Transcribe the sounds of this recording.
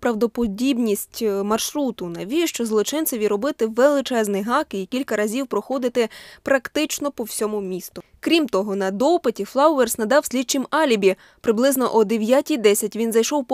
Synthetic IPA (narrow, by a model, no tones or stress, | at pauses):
pɾɐwd̪ɔpɔdʲibnʲisʲtʲmɐrʃɾut̪ʊnɐʋʲijʃt͡ʃɔzlˠɔt͡ʃɪntsɪʋʲiɾɔbɪt̪ɪʋelˠɪt͡ʃɛznɪjɦɑkikʲilʲkɐɾɐzʲiwpɾɔxɔd̪ɪt̪ɪpɾɐkt̪ɪt͡ʃnɔpɔwsʲɔmʊmʲist̪ʊkɾʲimt̪ɔɦɔnɐd̪ɔpɪtʲiflˠɑwʋersnɐd̪ɑwsʲlʲid̪̚t͡ʃɪmɑlʲibʲi | pɾɪblˠɪznɔʔɔd̪eʋʲjatʲijd̪ɛsʲɐtʲʋʲinzɐjʃɔwp